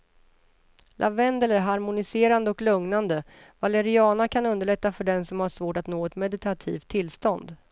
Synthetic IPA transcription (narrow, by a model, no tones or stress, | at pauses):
lʔa̰vɛnd̪ɛləɾɦaɾmʊnɪseːɾand̪əɔklɵŋnand̪ə | valɛɾɪɑːnakʰanɵnd̪əɭɛt̪ːafœɖɛnsɔmhaʂvoːʈat̪noːɛt̪mɛd̪ɪt̪ʰat̪ʰḭːft̪ʰːɪlst̪ɔnd̪